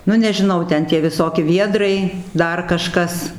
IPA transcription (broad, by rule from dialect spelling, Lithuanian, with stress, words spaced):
ˈnʊ nʲɛʒʲɪˈnɐʊ ˈtʲɛn tʲiɛ ʋʲɪˈsoːkʲɪ ˈʋʲiɛdrɐɪ ˈdɐr kɐˈʃkɐs